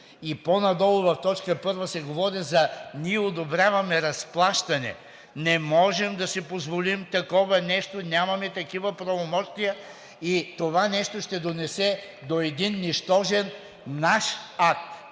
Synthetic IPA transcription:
iponɐd̪ɔlˠʊvɐft̪ɔt͡ʃkəpɤɾvɐsɛɡovɔɾizɐnʲiɛod̪obɾʲjavɐmɛɾɐsplˠaʃt̪ɐnɛ̰ | nɛmɔʒɛmd̪ɐsipozvolimt̪ɐkɔvɐnɛʃt̪onʲjamɐmɛt̪ɐkivɐpɾɐvomɔʃt̪ijə | it̪ovanɛʃt̪oʃt̪ɛd̪onɛsɛ | d̪oɛd̪inːiʃt̪ɔʒɛnː | aʃak̚t̪

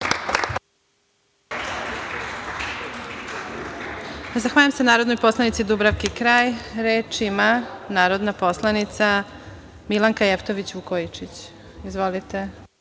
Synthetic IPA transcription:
zaxʋaːʎamsenaːɾod̪nojpo̞slˠanit̪sid̪ubɾaʋkikɾaːjɾeːt͡ʃimanaːɾo̞d̪napo̞slˠanit̪sa | milˠaŋkajeft̪oʋit͡ɕukojit͡ʃit͡ɕ | izʋolit̪e

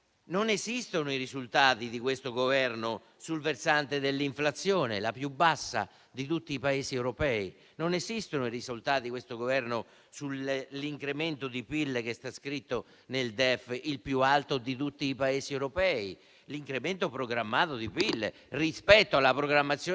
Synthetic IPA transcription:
nonesist̪onoirizult̪aːt̪id̪ikwest̪oɡovɛrno | sulversant̪ed̪elːiɱflat̪sːjoːnḛlapjubːasːa̰ | d̪it̪ut̪ːiːpaesiɛwɾopɛːi | nonesist̪onoirisult̪aːt̪iikwest̪oɡovɛrno | sulliŋkɾement̪od̪ipilːekest̪askɾit̪ːo | neld̪ɛfːilpjualt̪od̪it̪̬ut̪ːiːpaeːsiɛwɾopɛːi | liŋkɾement̪opɾoɡɾamːaːt̪od̪ipilːḛ | rispɛt̪ːoalːapɾoɡɾamːat̪sːjo

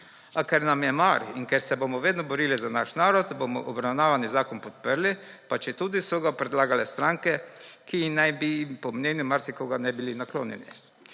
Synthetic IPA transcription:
akɛɾnamjɛmaɾiŋkɛɾsɛbomɔʋeːd̪nɔbɔɾilizanaʃnaːɾɔt̪bomɔ̰ʔɔbɾawnaːʋanizaːkɔnpɔt̪̚pəɾlipat͡ʃɛt̪uːd̪isɔɡapɾɛd̪laːɡalɛst̪ɾaŋkɛkinajbipɔmnʲeːnjumaɾsikoɡanajbilinakloːnjɛ̰nḭ

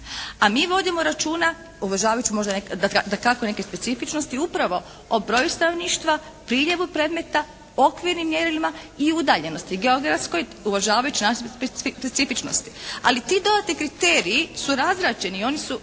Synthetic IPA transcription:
amiːʋo̞d̪imoɾat͡ʃuːna | uʋaʒaːʋajut͡ʃimo̞ʒd̪anekd̪ad̪akakone̞ke̞spe̞t̪sifit͡ʃnost̪iupɾaʋo̞ | obɾo̞just̪ano̞ʋniːʃt̪ʋa | pɾiːʎe̞ʋupɾed̪me̞t̪a | o̞kʋiɾnimːjeɾilimaiud̪aːʎe̞no̞st̪iɡe̞oɡɾat̪sko̞j | uʋaʒaːʋajut͡ɕinaʃeppet̪sifit͡ʃno̞̰st̪i̥a̰lit̪id̪o̞d̪at̪nikɾit̪eːɾijisuɾazɾat͡ʃe̞nio̞nisu

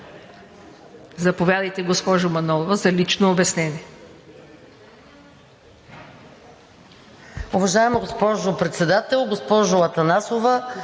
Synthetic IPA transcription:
zɐpovʲjad̪ɐjt̪ɛɡospɔʒʊmɐnɔlˠovəzɐlit͡ʃnoːbɛsnɛnʲiɛ | ʊvɐʒaɛmɐɡospɔʒʊpɾɛt̪sɛd̪at̪ɛlˠɡospɔʒʊɐt̪ɐnasovə

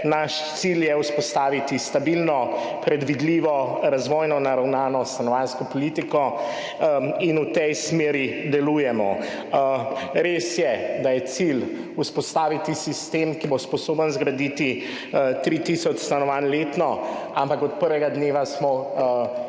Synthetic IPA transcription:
naʃt̪siljɛuspɔst̪aːʋit̪ist̪abilnɔ | pɾɛd̪ʋid̪liːʋɔɾazʋɔjnɔnaɾawnaːnɔst̪anɔʋanskɔpɔlit̪ikɔ | inut̪ɛjsmeːɾid̪ɛluːjɛmɔ | ɾesjɛd̪ajɛt̪sil | uspɔst̪aːʋit̪isist̪emkibospɔsoːbənzɡɾad̪it̪i | t̪ɾit̪isɔt͡ʃst̪anɔʋanleːt̪nɔampakɔt̪̚pəɾʋɛɡad̪neːʋasmɔ

